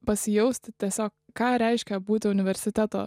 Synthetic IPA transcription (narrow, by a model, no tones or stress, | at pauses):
pɐsʲɪjɛʊst̪ʲɪt̪ʲːɛːsʲɔːk | kːɑːɾʲɛɪʃʲkʲɛbuːt̪ʲɪʊnʲɪʋʲɛɾʲsʲɪt̪ʲɛt̪o̰ː